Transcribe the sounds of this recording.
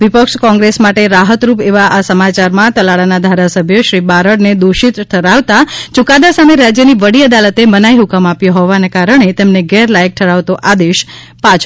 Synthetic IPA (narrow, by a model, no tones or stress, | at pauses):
ʋipəkʃkɔ̃ŋɡɾesmaʈeɾaɦət̪ɾupeʋaʔasəmat͡ʃaɾmãt̪əlaɽanad̪ʱaɾasəbʱjoʃɾibaɾəɽned̪uʃit̪ʈʰəɾaʋt̪at͡ʃukad̪asameɾad͡ʒjəniʋəɽiəd̪alət̪emənaiɦukəmapjoɦɔʋanekaɾəɳ̃et̪emneɡɛɾlajk̚ʈʰəɽaʋt̪oʔad̪eʃ | pat͡ʃʰ